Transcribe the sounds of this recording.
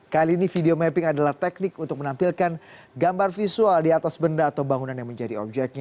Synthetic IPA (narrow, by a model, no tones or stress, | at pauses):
kaliːnifideomɛpɪŋadalaht̪ɛk̚nɪkunt̪ʊk̚mənampilkan | ɡambarfisualdiat̪asbəndaːt̪awbaŋunanjaŋməɲd͡ʒadiɔ̰p̚d͡ʒɛk̚t̪̚ɲa